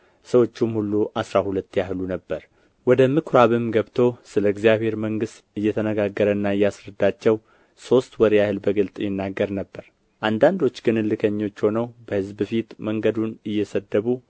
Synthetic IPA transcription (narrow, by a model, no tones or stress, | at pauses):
səwo̞t͡ʃːumhulːuʔasɾahulət̪ːjahlunəbːəɾ | wɔd̪əmɨkʰɾaβɨmɡəβt̪ʰo̞sɨləɡzijaβhe̞ɾməŋɡɨst̪ɨjːɛt̪ʰənəɡaɡːəɾənːaɨjːasɾəd̪ːat͡ʃːɛw | so̞st̪wɔɾjahɨlbəɡɨlt̪ʼjɪnːaɡːəɾnəbːəɾ | ʔand̪and̪o̞t͡ʃːɡɨnɨlːɨkʰəɲːo̞t͡ʃːho̞nəwbəhɨzbɨfit̪məŋɡəd̪unɨjːɛsəd̪ːəβu